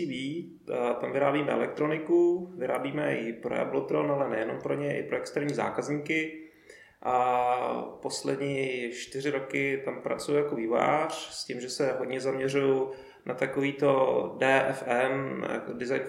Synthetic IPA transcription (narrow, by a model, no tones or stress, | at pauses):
iːviː | t̪amvɪɾaːbiːmɛʔɛ̰lɛk̚t̪ɾo̞nɪkuvɪɾa̰ːbiːmɛɪpɾo̰ja̰blot̪ɾonalɛnɛjɛno̞mpɾo̞ɲɛʔɪ̰pɾoɛkst̪ɛɾɲiːza̰ːkazɲiːkɪ | ʔa | po̞slɛd̪ɲiːʃt̪ɪrɪɾo̞kɪt̪ampɾa̰t͡sujujakoviːvo̰ja̰ːr̝̥scɪmʒɛsɛɦodɲɛzamɲɛruju | nʔat̪akoviːt̪o̞dɛːʔɛ̰fɛna̰ko̰dɪzajn